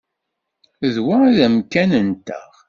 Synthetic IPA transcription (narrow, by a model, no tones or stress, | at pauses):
ðwaðæmkænənt̪ə̰ʁ